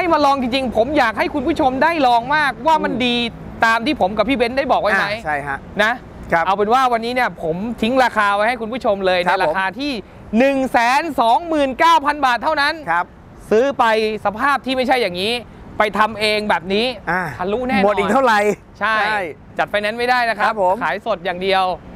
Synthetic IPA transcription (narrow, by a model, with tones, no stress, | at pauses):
a˥˩jma˧lɔː˧ŋt͡ɕi˧ŋt͡ɕi˧ŋpʰo˩˦mjaː˨˩k̚ha˥˩jkʰu˧npʰuː˥˩t͡ɕʰo˧mdaː˥˩jlɔː˧ŋmaː˥˩k̚waː˥˩ma˧ndiː˧ | t̪aː˧mt̪ʰiː˥˩pʰo˩˦mka˨˩pʰːiː˥˩be˦˥ndaː˥˩jbɔː˨˩k̚wa˥˧˩m˧a˦˥jʰa˥˩jna˦˥ʔʰ | ʔa˧wpe˧nwaː˥˩wa˧nːiː˦˥ni˥˩ɐpʰo˩˦mt̪ʰi˦˥ŋɾaː˧kʰaː˧pa˧jha˥˩jku˧npʰuː˥˩t͡ɕʰo˧mlɤː˧jna˧jɾaː˧kʰaː˧t̪ʰiː˥˩ | nɯ˨˩ŋsɛː˩˦nsɔː˩˦ŋmɯː˨˩nkaː˥˩wpʰa˧nbaː˨˩t̪ʰːa˥˩wna˦˥n˦˥ | sɯː˦˥pa˧jsa˧pʰaː˥˩p̚t̪ʰiː˥˩ma˥˩jt͡ɕʰa˥˩jːaː˨˩ŋːiː˦˥pa˧jt̪ʰa˧mʔeː˧ŋbɛː˨˩p̚niː˦˥a˧˩a˧˩ɾuː˦˥˩nɛː˥˩˨t̪ʰa˥˩ɾa˧j | t͡ɕʰa˥˩jja˥˩j | t͡ɕa˨˩t̪̚fa˧jnɛ˦˥nma˥˩jdaː˥˩jna˦˥kʰa˦˥p̚ʰo˨˦mkʰaː˩˦jso˨˩t̪̚jaː˨˩ŋdi˧əw